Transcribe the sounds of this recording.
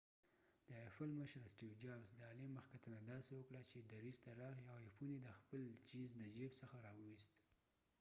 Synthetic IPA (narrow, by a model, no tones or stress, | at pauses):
d̪̥əfalməʃɾsʈiwd͡ʒɑbsd̪əɑleməxkat̪ənad̪ɑsewəkɽat͡ʃed̪aɾizt̪aɾɑxiawefuned̪əxpəlt͡ʃiznad͡ʒibsəxaɾɑwəwist̪